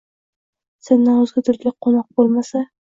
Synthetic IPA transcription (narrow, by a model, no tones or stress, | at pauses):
senːanɵzɡʲad̪ʊɾʲlʲɪqʰonɒq̚bolˠmasa